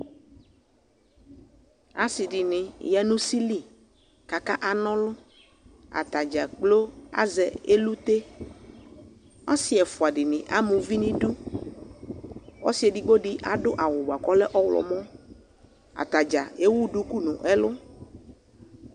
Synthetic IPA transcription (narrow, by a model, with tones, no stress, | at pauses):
a˨˦si˨ɖi˨nɪ̃˨jɛ˦nũ˦si˦li˦ | ka˨ka˦ʔa˨nɔ̃˦lʊ˦ | a̰˨t̪a˨d͡ʒa˨k͡plo˦a̰˦zɛ˨e˦lu˦t̪e˦ | a˦si˦ɛ˨fu˨a˨ɖɪ˨nɪ̃˨ʔa˦mũ˨vi˦nĩ˦ɖu˦ | ɔ̰˦si˨˦e˨ɖi˦ɡ͡bo˦ɖi˦ʔa˨ɖʊ˦ʔa˨wʊ˨ba˨kɔ˦lɛ˦ʔɔ˦wlɔ̰˨mɔ̃˦ | a̰˨t̪a˨d͡ʒa̰˨e˦wu˦ɖu˦ku˦nũ˨ʔɛ˦lʊ˦